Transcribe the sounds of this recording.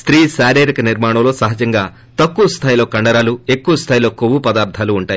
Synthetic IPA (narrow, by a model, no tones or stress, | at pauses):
st̪ɾiːsaːɾeːɾikɐniɾmaːɳɐmlo̞ːsɐɦɐd͡ʒɐŋɡaː | t̪ɐkːuʋɐst̪ʰaːjlo̞ːkɐɳɖɐɾaːluekːuʋɐst̪ʰaːjilo̞ːkoʋupɐd̪aːɾt̪ʰːaːluːɳʈaːji